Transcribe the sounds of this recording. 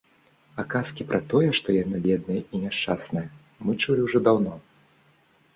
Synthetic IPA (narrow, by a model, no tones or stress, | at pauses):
akaskʲipɾʔɐt̪ɔjɛʂt̪ɔjanɨvʲɛd̪̚nɨjɛinʲɛʂt͡ʂasnɐjɐ | mɨt͡ʂulʲiwʐɔd̪awnɔ